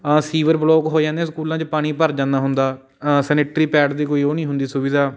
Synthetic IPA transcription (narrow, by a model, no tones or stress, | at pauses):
siːʋəɾbloːkɦoːd͡ʒãːnd̪ẽːskuːlãːt͡ʃpaːɽ̃iːpəɾd͡ʒãːnd̪aːɦʊnd̪aː | sɛnɪʈɾiːpɛːɖd̪iːkoːiːoːnĩːɦʊnd̪iːsʊʋɪd̪aː